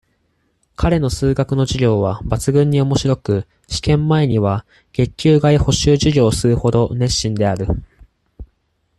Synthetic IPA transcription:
kʰaɾe̞no̞sɨːɡakɯ̟no̞ʑiɡʲo̞ːβabat͡sɨɡɯ̟̃ɲ̟ːio̞mo̞ɕiɾo̞kɯ̟ | ɕi̥kẽ̞mːae̞ɲ̟iβa | ɡ̥e̞kʲːɨːɡaiho̞ɕɨːʑiɾʲo̞ːsɨɾɯ̟ho̞d̪o̞nẽ̞ɕːĩnd̪e̞aɾɯ̟

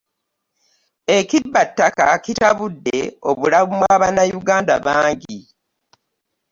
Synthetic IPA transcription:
e̞cibatːaka̰citaβudːe̞̰o̞βulaβumwaːβanajuɡaːndaβaːŋɟi

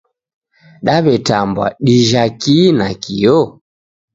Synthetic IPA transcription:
ɗaβɛtambwa̰ɗiʒakinakijɔ

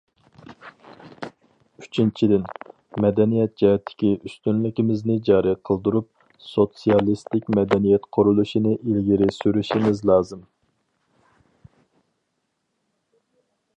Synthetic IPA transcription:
yt͡ʃʰint͡ʃʰid̪ɪn | mɛd̪ɛnijɛt̪̚d͡ʒihɛt̪ʰːɪ̥kʲiʔyst̪ynlɪkʲimɪznɪd͡ʒɑːɾɨqʰəlˠd̪uɾup̚ | sot̪sijɑlˠist̪ɪkʲmɛd̪ɛnijɛt̪qʰʊɾulˠuʃinɨʔilɡʲiɾɪsyɾyʃimɪzlˠɑːzɨm

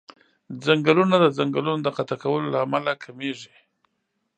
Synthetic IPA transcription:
zaŋɡəlunad̪əzaŋɡəlunod̪əqat̪akawəlolaːmalakʰameʐi

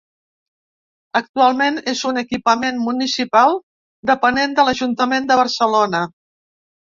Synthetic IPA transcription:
ək̚t̪ualˠmenezunəkipəmenmunisipalˠ | d̪əpənend̪ələʒunt̪əmend̪əβ̞əɾsəlonə

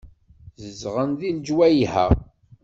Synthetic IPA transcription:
zəzʁənðild͡ʒwæjhæ̰

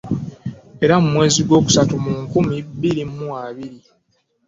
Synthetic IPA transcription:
e̞ɾamumwe̞ːziɡwo̞ːku̥satumuŋkumibːiɾimːuaβiɾi

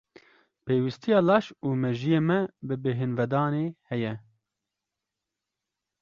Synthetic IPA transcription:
peːwist̪ʰijɑːlɑːʃuːmɛʒijeːmɛbɨbeɦɪnvɛd̪ɑːneːhɛjɛ

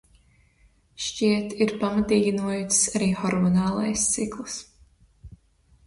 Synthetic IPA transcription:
ʃt͡ʃiɛt̪iɾpamat̪iːɡʲinuɔjissaɾiːxɔɾmɔnaːlˠa̰jst̪siklˠs

